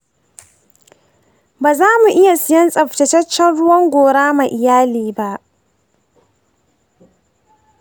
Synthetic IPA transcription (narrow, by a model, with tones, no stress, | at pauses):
baː˨zaː˦mu˨ʔɪ˦ja˨sɪ˦jɐ˦nsʼɐ˨ɸtɐ˨tɐ˦t͡ʃːɐ˦nɽʊ˦wɐ˦ŋɡʷoː˨ɽaː˦ma˨ʔɪ˨jaː˦liː˨ba˦ʔ